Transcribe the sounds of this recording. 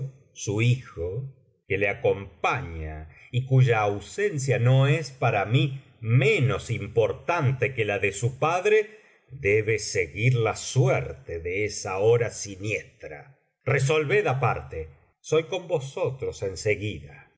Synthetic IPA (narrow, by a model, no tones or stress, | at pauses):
suixo | keleako̞mpaɲa | ikuʒaːwsens̬jano̞espaɾami | mẽno̞simpo̞ɾt̪ant̪e̞kelaðesupaðɾe | ðeβeseɣiɾlasweɾt̪eðeesaoɾasinjest̪ɾa̰ | res̬o̞lβeðapaɾt̪e | so̞jko̞mbo̞so̞t̪ɾose̞nseɣiða